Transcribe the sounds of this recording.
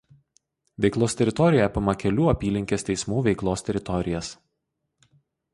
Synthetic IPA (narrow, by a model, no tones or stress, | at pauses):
ʋʲɛɪklˠoːst̪ʲɛɾʲɪt̪ɔɾʲɪjɛpʲɪmɐkʲɛlʲuːɐpʲiːlʲɪŋʲkʲeːst̪ʲɛɪsmuːʋʲɛɪklˠoːst̪ʲɛɾʲɪt̪ɔɾʲɪjɛs